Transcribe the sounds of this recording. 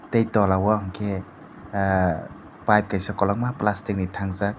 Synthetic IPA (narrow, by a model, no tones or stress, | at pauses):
tejtɔlawɔŋkʰe | pajp̚kajsakɔlɔŋmaplastik̚nitʰaŋzak̚